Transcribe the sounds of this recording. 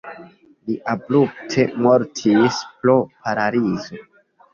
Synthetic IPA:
liʔabɾup̚tʰemoɾtʰispɾopʰaɾaɾizo

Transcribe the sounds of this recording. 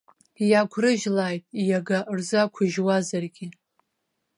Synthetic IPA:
jakʷʰrɨʒlaːjtʼijaɡaʔrzakʷʰʊʒwazarɡʲi

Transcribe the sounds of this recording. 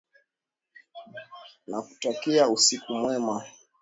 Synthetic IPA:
naku̥takɛausikumwɛma

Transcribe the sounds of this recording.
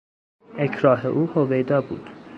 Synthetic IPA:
ecʰɾɒːɦḛʔuːhovejd̪ɒːbṵːd̪̥

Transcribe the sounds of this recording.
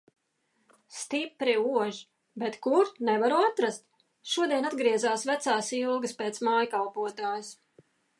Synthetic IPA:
st̪ipɾiuɔʒ | bɛt̪kuɾt̪nɛvaɾuat̪ɾast̪ | ʃuɔd̪iɛnad̪ɡɾiɛzaːsvæt̪saːsilˠɡɨspeːt̪smaːjkalˠpuɔt̪aːjus

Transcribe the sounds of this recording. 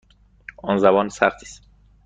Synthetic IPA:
ɒːnzæbɒːnsæɾt̪ʰi̥ːs

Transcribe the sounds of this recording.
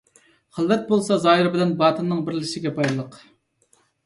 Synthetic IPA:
χəlˠːɛt̪̚bolˠsɑzɑːɦiɾɪbɪlɛnbɑːt̪ʰɨnːɨŋbɪɾlɪʃɪɡʲɛbɑjlˠəq

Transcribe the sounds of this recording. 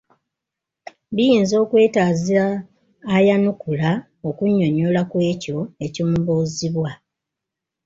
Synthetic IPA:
bijiːnzo̞ːkwe̞ːtaːziɾaː | janukula | o̞kuɲːo̞ɲolakwe̞ːco̞e̞ciuːmboːziβwa

